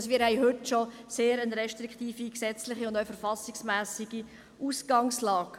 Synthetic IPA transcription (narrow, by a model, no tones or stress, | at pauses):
smiːɾhɛjɦʏtʃɔseːɾənɾɛʃtɾikχt̪iːfiksɛt͡slɪχiʊndœɥfəɾfɑsɪksmæːsiɡ̥i | ʔuːsɡ̥ɑŋslɑːk